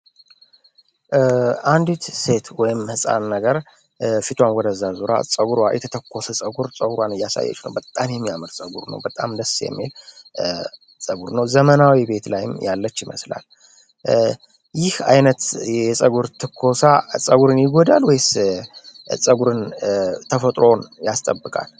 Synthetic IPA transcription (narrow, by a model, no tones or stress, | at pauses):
and̪it̪se̞t̪wɔjɪmhɨsʼa̰nːəɡəɾ | fit̪ʰwanwɔd̪əzːazuɾa̰sʼəɡuɾwajɛ̰t̪ʰət̪ʰəkːo̞səsʼəɡuɾsʼəɡuɾwanɨjːasa̰jːɛ̰t͡ʃnə̰wbət̪ʼːamjɛmːijamɨɾsʼəɡuɾnə̰wbət̪ʼa̰md̪əsjɛ̰mːil | sʼəɡuɾnəwzəmənawibe̞t̪lajɪmjalːət͡ʃːɪmə̰sla̰l | jɪhajnət̪ɛsʼəɡuɾt̪ʰɨkʰːo̞sasʼəɡuɾɨnjɪɡod̪alwɔjs | sʼəɡuɾɨnt̪ʰəfət̪ʼɾo̞njast̪ʼəbːɨkʼa̰l